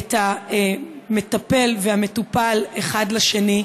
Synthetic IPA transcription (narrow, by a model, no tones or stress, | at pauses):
taeme̞tape̞lveame̞tupaleχadlaʃeni